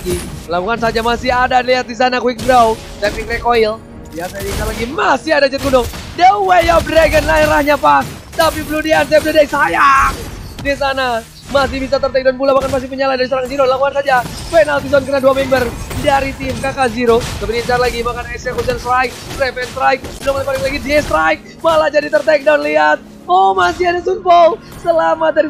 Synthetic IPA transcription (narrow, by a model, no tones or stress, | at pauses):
ɡilaŋkukans̬ad͡ʒamasɪhadaliat̪̚dis̬anakuwik̚bɾaw | sapikrɛkoil | jasajaiɲt͡ʃarlaɡimasɪhadad͡ʒɛt̪̚ɡudɔŋdɛuwejabɾeɡənlaiɾahɲapas | t̪ap̬ibəludians̬ajap̚dadaisajaŋ | dis̬ana | mas̬ɪhbis̬at̪ərt̪ɛk̚dɔnpulabakanpas̬ipəɲaladaɾisɾaŋziɾolaŋuansad͡ʒa | pɛnalt̪is̬ɔnkənaduamɛmbərdaɾit̪imkakaziɾot̪apidiɲt͡ʃarlaɡimakanɛsɛkus̬ianst̪ɾajk̚rɛfɛnst̪ɾak̚ɡədɔŋkodɛŋlaɡidiɛst̪ɾaik̚ | malad͡ʒadit̪ərt̪ɛk̚dɔnliɦat̪̚ | ɔhmas̬iadasunpol | səlamat̪̚daɾi